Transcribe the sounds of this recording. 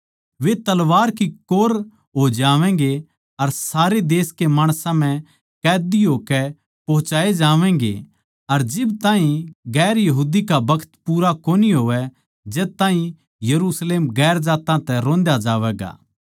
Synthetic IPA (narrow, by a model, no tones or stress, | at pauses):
ʋet̪ɐlʋaːɾkikoːɾ | ɦod͡ʒaːʋɛ̃ɡe | ɐɾsaːɾed̪eːskemaːɽ̃sãmɛ̃ | kɛːd̪iɦoːkɛ | pɐɦʊ̃t͡ʃaːed͡ʒaːʋɛ̃ɡḛ | ɐɾd͡ʒɪbt̪ãːɦĩɡɛːɾjɐɦuːd̪ikabɐkʰə̥t̪puːɾakoːniɦoːʋɛ | d͡ʒɛːt̪aːɦĩ | jɐɾusleːmɡɛːɾd͡ʒaːt̪ãt̪ɛɾõːnd̪jad͡ʒaːʋɛːɡa̰ː